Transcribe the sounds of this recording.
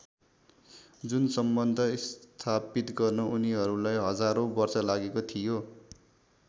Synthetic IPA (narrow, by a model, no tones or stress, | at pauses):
d͡zunsʌmbʌnd̪ʱʌist̪ʰapit̪ɡʌrnʌʔuniɦʌɾulajɦʌd͡zaɾobʌrsʌlaɡekot̪ʰijo